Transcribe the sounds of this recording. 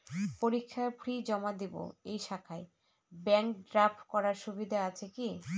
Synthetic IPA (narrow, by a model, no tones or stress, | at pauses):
poɾikʰːapʰɾid͡ʑɔmad̪ibo̰ejʃakʰae | bɛŋkɖɾapʰkɔɾaɾʃubid̪ʱaat͡ɕʰeki